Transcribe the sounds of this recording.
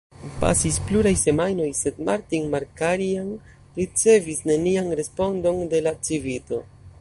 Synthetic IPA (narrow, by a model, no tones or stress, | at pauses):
pa̰sispluɾajse̞majno̞jse̞dmaɾtiŋmaɾkaɾian | ɾit͡se̞visne̞nianɾe̞spo̞ndo̞nde̞lat͡sivito̞